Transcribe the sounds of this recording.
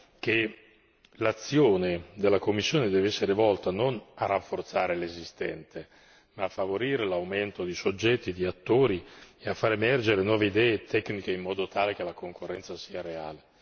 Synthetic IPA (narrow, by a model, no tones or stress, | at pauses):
k̟e | lat̪sːjoːned̪elːakomːisːjoːned̪ɛːveɛsːeɾevɔlt̪anonarafːort̪saːɾelezist̪ɛ̰nt̪e | maːfːavoɾiːɾelawment̪od̪isod͡ʒːɛt̪ːid̪iat̪ːoːɾieafːaːɾemɛrd͡ʒeɾenwɔːveid̪ɛːet̪ʰɛknikeimːɔːd̪ot̪ʰaːlek̟elakoŋkorːɛnsasiːaɾea̰ːle